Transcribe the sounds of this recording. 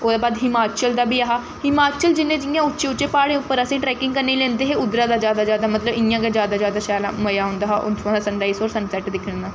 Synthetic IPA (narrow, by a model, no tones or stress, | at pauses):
oːd̪aːbaːd̪ɦɪmaːt͡ʃiəld̪aːbiːaɦaː | hɪmaːt͡ʃiəld͡ʒɪnːẽːd͡ʒɪjãːʊtːʃẽːʊt͡ʃːt͡ʃẽːpaːɽẽːʊpːəɾəsĩːʈɾɛːkɪ̃ŋɡkəɾnːeːlɛ̃ːnd̪eːɦeːʊd̪ɾãːd̪aːd͡ʒjaːd̪aːd͡ʒjaːd̪aːmət̪ləbɪjãːked͡ʒjaːd̪aːd͡ʒjaːd̪aːʃaːla̰ːməjaːɦʊ̃ːnd̪aːɦaːʔʊ̰t̪ʰʊãːd̪asəɳɖaːiːsoːɾsənsɛːʈd̪ɪkʰːənːaː